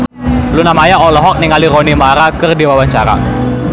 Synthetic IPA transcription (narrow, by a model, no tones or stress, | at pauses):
lunamajaɔlɔɦɔk̚niŋaliɾɔnimaɾakərdiwawaɲt͡ʃa̰ɾa̰